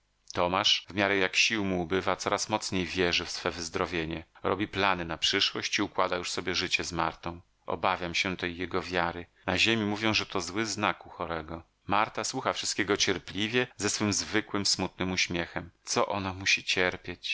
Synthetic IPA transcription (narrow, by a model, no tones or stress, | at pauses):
t̪ɔmaʂvmʲjaɾɛjakɕiwmuːbɘvat̪sɔɾʔasmɔt̪sɲejvʲjɛʐɘfsfɛvɘzd̪ɾɔvʲjeɲɛɾɔ̰bʲiplanɘnapʂɘʂwɔɕt͡ɕiukwad̪ajuʂsɔbʲjɛʐɘt͡ɕɛzma̰ɾt̪ɔ̃w̃ | ɔ̰bavʲjamɕɛt̪ɛjːɛɡɔvʲjaɾɘnaʑemʲimuvʲjɔ̃w̃ʐɛt̪ɔzwɘznakuxɔɾɛɡɔ | maɾt̪aswuxafʂɨst̪kʲɛɡɔt͡ɕɛɾplʲivʲjɛzɛsfɘmzvɘkwɘmsmut̪nɘmuɕmʲjɛxɛmt̪sɔʔɔnamuɕit͡ɕɛɾpʲjet͡ɕ